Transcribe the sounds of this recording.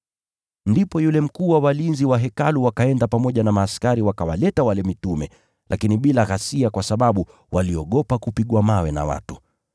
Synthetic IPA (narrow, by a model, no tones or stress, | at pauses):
ndipɔjulɛm̩kuːwawalinziwaɦɛkaluwakaɛndapamɔʄanamaːskaɾiwakawalɛtawalɛmitumɛ | lʔakiniɓilaɣasiakwasaɓaɓu | waliɔɠɔpakupiɠwamawɛna̰wa̰tu